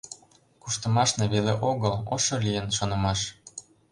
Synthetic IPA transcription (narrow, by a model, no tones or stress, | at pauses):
kuʃt̪ɤ̆mɑʃneβeleʔoɣəloʃolijənʃonɤ̆mɑʃ